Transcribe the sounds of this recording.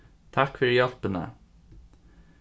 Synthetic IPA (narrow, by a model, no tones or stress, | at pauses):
t̪ʰɑkfœɾjɑlpənə̰